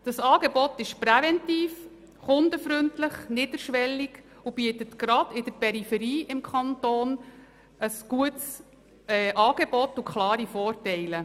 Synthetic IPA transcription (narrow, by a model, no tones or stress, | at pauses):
d̥ɑsɑːɡ̥ebɔtɪʃprɛvɛntiːf | χʊndəfɾʏntlɪχnɪd̥əɾʃʋɛlːiɡ | ub̥iətətkɾɑd̥ɪd̥əɾpɛɾifɛɾiːʔɪmkʰχɑnt̪oːn | əsɡ̥uəts | ɛːʔɑːɡ̥ebɔtukχlɑːɾifɔːrtɛɪlə